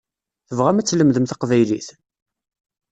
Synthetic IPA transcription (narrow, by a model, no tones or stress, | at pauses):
θəvʁæmæt͡sːləmðəmθɑqvæjlḭθ